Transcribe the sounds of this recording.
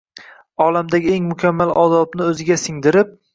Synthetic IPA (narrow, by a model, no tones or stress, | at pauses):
ɒlamd̪aɡʲɪeŋmʊkʲʰamːalɒ̰ːd̪ɒbnɪɵzɪɡʲasɪŋd̪ɪɾɪp̚